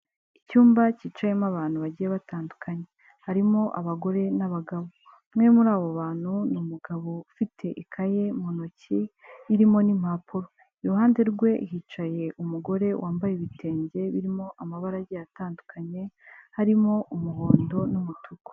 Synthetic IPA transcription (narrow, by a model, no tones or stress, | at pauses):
icuːmbaciːt͡ʃajemaβaːnhuβaɟijeβataːndukʰaɲe̞ | haɾimo̞ʔaβaɡo̞ɾe̞naβaɡaβo | mŋe̞muɾaːβoβaːn̥hunumuɡaβo̞fitʰe̞ʔikʰaje̞mono̞ci | iɾimo̞nimapʰuɾo | iɾuɦaːnde̞ɾɡwe̞ʔḭhit͡ʃaje̞ʔumuɡo̞ɾe̞wʔaːmbajeβitʰe̞ːɲɟe̞βiɾimo̞ʔamaβaɾaɟejataːndukʰaɲe̞haɾimo̞ʔumuɦo̞ːndo̞numutuko̥